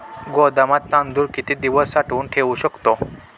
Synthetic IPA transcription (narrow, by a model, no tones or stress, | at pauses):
ɡɔd̪amat̪ːãnd̪uːɾkit̪id̪iʋəsːaʈuːnʈʰeʋuɕəkt̪o